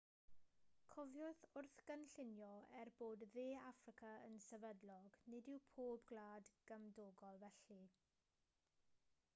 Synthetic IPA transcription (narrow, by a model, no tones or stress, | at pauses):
kʰɔvjʊθʊrθɡ̥ənɬɪnjɔɛrboːdðeːafrɪkʰaə̰nsəvədlɔɡnedɪwpʰoːbɡlˠaːdɡ̥əmdoːɡɔlˠvɛɬi